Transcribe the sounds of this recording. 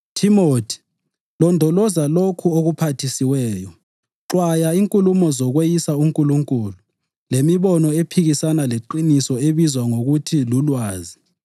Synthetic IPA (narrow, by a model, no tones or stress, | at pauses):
tʰimotʰi̥ | lɔndʱɔlɔzalokʰuoɣupʰatʰisiwɛːjɔ | ǁwajaiŋkʼulumɔzɔɣwejisauŋkʼuluŋkʼuːlu | lemiβɔnɔepʰiɣisanaleǃinisɔeβizwaŋoɣutʰilulwaːzi